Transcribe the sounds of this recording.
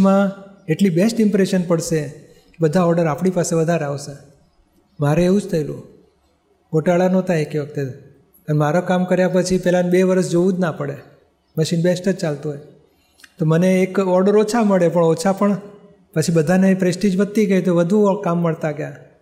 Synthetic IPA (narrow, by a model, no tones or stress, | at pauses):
mãeʈlibesʈɪmpɾeʃənpəɽʃe | kebəd̪ʱaɔɾɖəɾapɽ̃ipaseʋəd̪ʱaɾeaʋse | maɾeeũd͡ʒt̪ʰəilṵ̃ | koʈaɭanõt̪aekeʋək̚t̪e | pənmaɾokamkəɾjapət͡ʃʰipɛlanbeʋəɾəsd͡ʒoʋũd͡ʒnapəɽe | məʃinbesʈəd͡ʒt͡ʃalt̪ũɦoj | t̪oməneːkɔɾɖəɾot͡ʃʰaməɭepəɳot͡ʃʰapəɳ | pət͡ʃʰibəd̪ʱanepɾesʈid͡ʒʋət̪ːiɡəjt̪oʋəd̪ʱukamːəɭt̪aɡja